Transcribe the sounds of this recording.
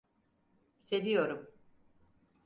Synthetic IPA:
se̞vijo̞ɾum

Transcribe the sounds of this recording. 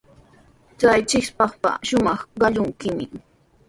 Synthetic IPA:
t͡sajt͡ʃɪkspɑχpa̰ʃʊmɑχɢɑʎʊŋkɪmɪ̰

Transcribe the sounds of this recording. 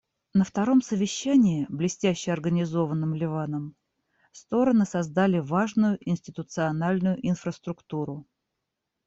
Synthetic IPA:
nəft̪ɐɾo̞msəvʲɪɕːænʲɪːblʲɪsʲtʲæɕːɪɐrɡənʲɪzo̞vənːɨmlʲɪvanəm | st̪o̞ɾənɨsɐzd̪alʲɪvaʐnʊjʊʔɪnʲsʲtʲɪt̪ʊt̪sɨɐnalʲnʊjʊʔɪnfɾəst̪ɾʊkt̪uɾʊ

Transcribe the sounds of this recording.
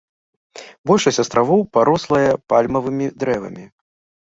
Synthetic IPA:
bɔlʲʂɐsʲt͡sʲɐst̪ɾʔavɔwpaɾɔslˠɐjɐpalʲmɐvɨmʲid̪ɾɛvɐ̰mʲi

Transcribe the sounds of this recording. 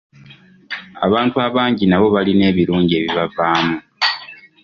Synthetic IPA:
a̰βaːntuaβaːɲɟinaβo̞βaline̞ːβiɾuːɲɟieβiβavaːmu

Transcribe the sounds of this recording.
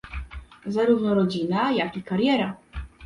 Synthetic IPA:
zaɾuvnɔɾɔd͡ʑinajakikaɾjɛɾa

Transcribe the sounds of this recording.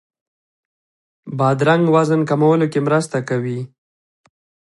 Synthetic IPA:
bɑd̪ɾaŋɡwazənkamawəlokemɾəst̪akawi

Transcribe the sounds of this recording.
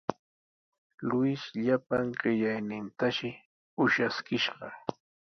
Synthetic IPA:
lʊʃʎapaŋɢɪʎajnɪnt̪aʃɪ | ʊʃaskɪʃɢɑ

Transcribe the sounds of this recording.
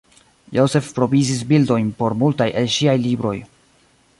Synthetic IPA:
jose̞fpɾo̞vizis̬bildo̞jnpo̞ɾmultajʔe̞lʃiajlibɾo̞̰j

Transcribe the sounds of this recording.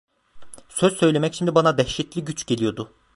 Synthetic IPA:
søz̥sø̞jlʲe̞mɛcʃimd̪ibanad̪ɛçʃɛt̪lʲiɟyt͡ʃɟe̞lʲijo̞d̪ʊ

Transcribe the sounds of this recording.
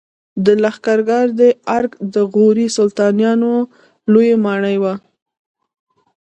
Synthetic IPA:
d̪əlaxkaɾɡɑɾd̪əaɾɡd̪əɣoɾisʊlt̪ɑnjɑno | lojemɑɳəjwa

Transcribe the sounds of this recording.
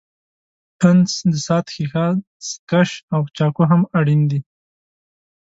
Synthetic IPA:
pʰənsd̪əsɑt̪xixɑ | skaʃawt͡ʃɑkoɦamaɽind̪i

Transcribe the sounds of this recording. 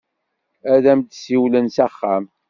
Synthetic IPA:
æðæmd̪siwlənsæχːæm

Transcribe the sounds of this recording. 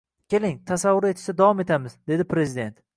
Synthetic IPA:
kʲʰe̞lɪŋt̪ʰasavːʊɾe̞t̪ʰɪ̥ʃt̪ad̪avɒme̞t̪ʰamɪzd̪e̞d̪ɪpʰɾe̞zɪd̪e̞nt̪

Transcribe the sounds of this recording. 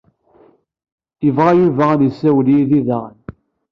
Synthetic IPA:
jəvʁajuvæænjəsːæwljiðiðəʁn

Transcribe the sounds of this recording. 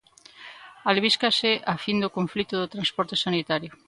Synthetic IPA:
alβ̞iskaseʔafind̪okoɱflit̪ʊðot̪ɾanspɔɾt̪esanit̪aɾjʊ

